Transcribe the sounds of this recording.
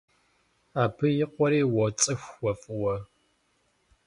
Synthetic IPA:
aːpʰɨjɪqʷɔɾiːwɔt͡sʼɨxʷwɔfʼɨwɐ

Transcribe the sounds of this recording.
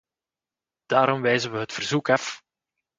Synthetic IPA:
d̥aːɾɔmʋɛjzənʋəɦətfərzukɑf

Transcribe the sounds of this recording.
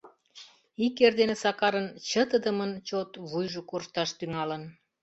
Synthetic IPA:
ikerd̪enesɑkɑɾənt͡ɕət̪əd̪əmənt͡ɕot̪βujʒokorʃt̪ɑʃt̪yŋɑlən

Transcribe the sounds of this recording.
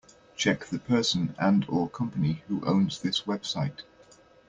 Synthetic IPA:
t͡ʃʰɛk̚ðəpʰɜˑsə̃nə̃nəkʰʌ̃mpənihuʔə̰̃ʊ̃nzðɪswɛb̥saɪt

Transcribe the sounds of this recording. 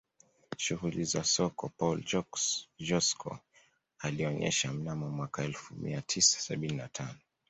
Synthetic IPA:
ʃuɣulizasɔkɔpɔld͡ʒɔkʒɔskʰɔ̰ | aliɔɲɛ̰ʃam̩namɔmwakaɛlfumḭatʰisḁsaɓininatʰanɔ

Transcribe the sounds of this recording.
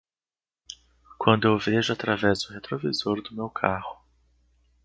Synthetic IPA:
kwɐ̃nd̪ʊewveʒʊat̪ɾavɛzʊhet̪ɾovizoɾd̪ʊmewkʰahʊ

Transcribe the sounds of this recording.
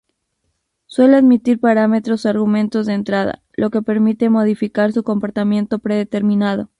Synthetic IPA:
swe̞leaðmit̪iɾpaɾame̞t̪ɾo̞soaɾɣumẽ̞nt̪o̞zðent̪ɾað̞a̰lʔo̞ke̞pe̞ɾmit̪e̞mo̞ð̞ifikaɾsuko̞mpo̞ɾt̪amjẽ̞nt̪o̞pɾe̞ðet̪e̞ɾmĩnað̞o̞̰

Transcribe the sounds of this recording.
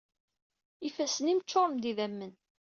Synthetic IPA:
ifæsənimt͡ʃːoɾˤmd̪iðæmːən

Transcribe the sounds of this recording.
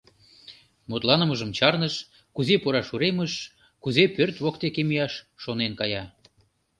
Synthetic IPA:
mut̪lɑnə̆məʒəmt͡ɕɑrnəʃ | kuzepoɾɑʃuɾeməʃ | kuzepørt̪βokt̪ekemijɑʃːonenkɑjɑ

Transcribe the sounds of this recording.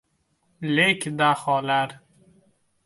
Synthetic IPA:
lekʰd̪aχɔlaɾ

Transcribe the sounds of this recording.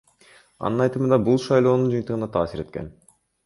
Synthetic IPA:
ɑ̰nɯnɑjt̪ɯmɯnd̪ɑbulˠʃɑjlˠo̞ːnund͡ʒɯjnt̪ɯʁɯnɑt̪ʰɑːsiɾe̞t̪ke̞n

